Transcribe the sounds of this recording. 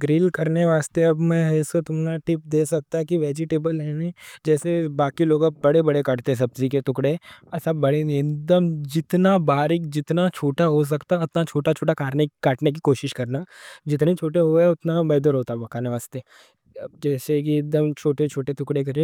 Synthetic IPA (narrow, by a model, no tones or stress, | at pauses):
ɡɾiːlkɐɾneʋaːst̪eɐbmɛ̃ɦɛsot̪ʊmnaʈɪp̚d̪eːsɐk̚t̪aɦɛkiʋeːd͡ʒɪʈeːbəlɦɛnid͡ʒɛːsebaːkiloːɡabɐɽebɐɽekaʈt̪eɦɛ̃sɐbziket̪ʊkɽesɐbːɐɽeekd̪əmd͡ʒɪt̪nabaːɾɪkd͡ʒɪt̪nat͡ʃʰoːʈaɦos̬ɐkt̪aʊt̪nat͡ʃʰoːʈat͡ʃʰoːʈakaːʈnekaːʈnek̬ikoːʃɪʃkɐɾnaːd͡ʒɪt̪net͡ʃʰoːʈeɦoɛʊt̪nabɛːd̪əɾɦoːt̪aɦbɐkaːneʋaːst̪e | ɐbd͡ʒɛːsekiːk̚d̪əmt͡ʃʰoːʈet͡ʃʰoːʈet̪ʊkɽek̬ɐɾẽ